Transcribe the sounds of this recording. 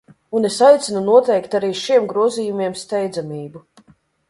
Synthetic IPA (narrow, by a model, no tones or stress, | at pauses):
unesajt̪sʲinunuɔt̪ɛjkt̪aɾiːʃiɛmɡɾuɔziːjumiɛmst̪ɛjd̪zamʲiːbu